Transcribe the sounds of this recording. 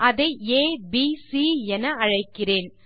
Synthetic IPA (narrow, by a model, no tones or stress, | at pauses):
ʔɐðɐɪeːbiːsiːɛnɐɐɻɐɪkːɪreːn